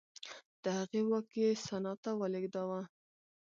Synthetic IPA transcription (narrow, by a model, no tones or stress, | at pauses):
d̪̥əhaɣewakjesanɑt̪awaleɡd̪awa